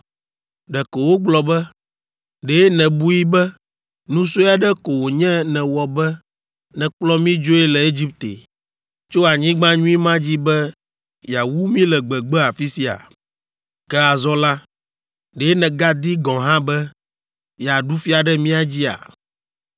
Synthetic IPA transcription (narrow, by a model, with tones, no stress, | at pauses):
ɖɛ˨ko˨wo˦ɡ͡blɔ˨bɛ˦ | ɖe˨˦nɛ̃˨bu˦ji˦bɛ˦ | nũ˦so˦ja˨ɖɛ˦ko˨wo˨ɲɛ̃˦nɛ̃˨wɔ˨bɛ˦ | nɛ̃˨k͡plɔ˦mĩ˦d͡ʒo˦ɛ˦lɛ˨e˦d͡ʑi˦p̚t̪ḛ˨ | t͡ʃo˦a˨ɲĩ˦ɡ͡bã˦ɲũ˦i˦mã˦d͡ʑi˦bɛ˦ | ja˨wu˦mĩ˦lɛ˨ɡ͡bɛ˨ɡ͡bɛ˦a˨fi˦si˦a̰˨ | kɛ˦a˨zɔ˦la˦ | ɖe˨˦nɛ̃˨ɡa˦d̪i˦ɡɔ̃˨ɦã˦bɛ˦ | ja˨ɖu˦fi˦a˨ɖɛ˦mĩ˦a˨d͡ʑi˦a̰˨